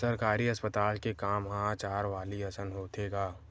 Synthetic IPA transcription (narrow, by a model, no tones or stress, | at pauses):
səɾkaːɾiɐspət̪aːlkekaːmɦãːt͡ʃaːɾʋaːliɐsənɦoːt̪ʰeɡaː